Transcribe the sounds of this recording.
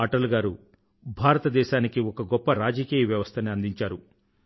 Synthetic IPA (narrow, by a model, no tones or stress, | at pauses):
aːʈɐlɡaːɾu | bʱaːɾɐt̪ɐd̪ɛːʃaːnikiɔkɐɡɔpːɐɾaːd͡ʒɐkiːjɐʋjɐʋɐst̪ʰɐniɐnd̪iɲt͡ʃaːɾu